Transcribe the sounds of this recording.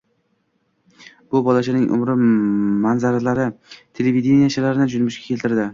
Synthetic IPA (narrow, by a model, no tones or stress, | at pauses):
b̥ʊbɒlaʃɪnɪŋʔʊ̰mɾɪmanzaɾalaɾɪt̪ʰelevid̪ʲenijaʃʰalaɾɪnɪd͡ʒʊnmʊʃkʲḁkʲʰe̞lt̪ɪɾd̪ɪ